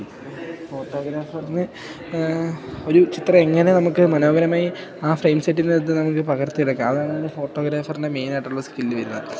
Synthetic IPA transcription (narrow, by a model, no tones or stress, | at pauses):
fo̞ːʈːo̞ːɡɾaːfɐrinɨ | o̞ɾut͡ɕit̪rɐe̞ŋːɐne̞nɐmukːɨmɐno̞ːɡɐɾɐmaːjiaːfrejmseʈ̬ːinɨet̪̬ːɨnɐmuk̬ːɨpɐɣɐrt̪ijiɽɐkːuɐðaːɳɐɐnːɨfo̞ːʈːo̞ːɡɾaːfɐrinde̞me̞jnaːʈːuːɐskilːɨʋɐɾunːɐðɨ